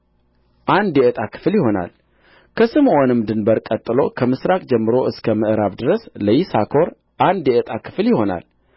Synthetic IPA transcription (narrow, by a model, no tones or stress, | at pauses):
ʔand̪jɛət̪ʼakʰɨ̥fljɪɦo̞na̰l | kʰəsɨmʔonɨmd̪ɨnbəɾkʼət̪ʼːɨlo̞kʰəmɨsɾakʼd͡ʒɛmːɨɾo̞ʔɨskʰəməʔɨɾaβd̪ɨɾəsləjisakʰo̞ɾ | ʔand̪jɛʔət̪ʼakʰɨ̥fljɪho̞na̰l